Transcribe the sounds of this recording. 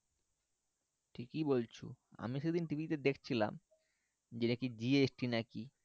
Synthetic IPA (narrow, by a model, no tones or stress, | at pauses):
ʈʰikibolt͡ɕʰṵ | a̰miʃed̪int̪ibit̪ed̪ekʰt͡ɕʰila̰m | d͡ʑenekid͡ʑiesʈinaki